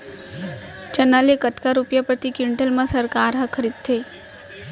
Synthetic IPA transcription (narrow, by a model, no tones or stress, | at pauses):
t͡ʃɐnalekət̪kaɾupjapɾət̪ikɪɳʈəlmãsɐɾkaːɾɦɐkʰəɾiːd̪̚t̪ʰe